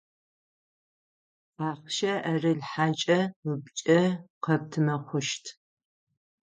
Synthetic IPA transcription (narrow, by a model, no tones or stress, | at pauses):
aːχʃɐʔɐrɨɮħaːt͡ʃʼɐbt͡ʃʼɐqɐp̚tʰɨmɐχʷʊʃtʰ